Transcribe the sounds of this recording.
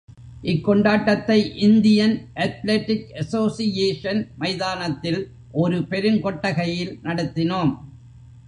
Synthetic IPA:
ʔɪkːɔɳɖaːʈːɐt̪ːɐɪʔɪnd̪ɪjɐnʔɐt̪leʈːɪkɐsoːsɪjeːʂɐnmɐɪðaːnɐt̪ːɪl | ʔɔɾɯpɛɾɯnkɔʈːɐɣɐjɪlnɐɽɯt̪ːɪnoːm

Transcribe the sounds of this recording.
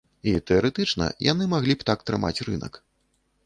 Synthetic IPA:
it̪ɛɐɾɛt̪ɨt͡ʂnɐ̰jʔa̰nɨmaɣlʲipt̪ak̚t̪ɾɨma̰t͡sʲrɨnɐ̰k

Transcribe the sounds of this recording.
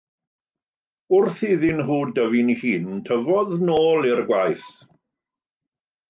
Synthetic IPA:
ʊrθɪðɪnɦuːdəvɪnihiːntʰəvɔðnoːlˠɪrɡwajθ

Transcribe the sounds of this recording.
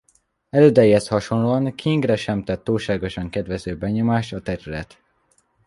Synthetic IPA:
ɛløːd̪ɛjiɦɛshɒʃo̞nloɒŋkʰiŋɡrɛʃɛmt̪ɛt̪ːuːlʃaːɡo̞ʃɒŋkɛd̪ʋɛzøːbɛɲo̞maːʃt̪ɒt̪ɛɾylɛt̪

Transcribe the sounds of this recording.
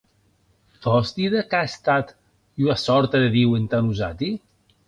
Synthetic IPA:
d̪ɔzt̪iðakaest̪at̪ | uasɔɾt̪aðeðiwent̪anuzat̪i

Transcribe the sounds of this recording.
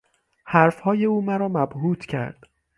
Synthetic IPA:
hæɾfhɒːje̞uːmæɾɒːmæbhuːt̪ʰcʰæ̰ɾd̪̥

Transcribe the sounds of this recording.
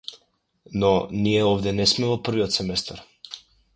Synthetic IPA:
nɔnijɛɔvd̪ɛnɛsmɛvɔpr̩viɔt̪sɛmɛst̪aɾ

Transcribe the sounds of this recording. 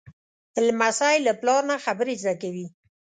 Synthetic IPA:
ɪlmasajlaplɑɾnaxabəɾezd̪akawi

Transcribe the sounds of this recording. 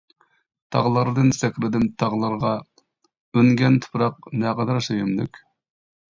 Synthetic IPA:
t̪ʰɑ̰ʁlˠɨɾɨd̪ɨnsɛkʲɾɪd̪ɪnt̪ʰɑʁlˠɨɾʁɑ | øŋɡʲɛnt̪ʰʊ̥pɾɑqnɛqɑd̪ɑɾsejymly̰kʲ

